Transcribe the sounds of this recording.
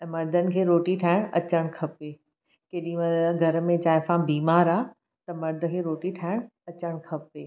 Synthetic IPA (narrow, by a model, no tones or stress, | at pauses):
mɐɾd̪ʱənɪ̆kʰeːɾoːʈiʈʰaːɪɽ̃ɐt͡ɕəɽ̃kʰɐpeː | keːɗĩmɐɡʱɐɾəmẽd͡ʑaːɪfãbiːmaːɾaː | t̪ɐmɐɾd̪ʱə̆kʰeːɾoːʈiʈʰaːɪɽ̃ɐt͡ɕəɽ̃kʰɐpeː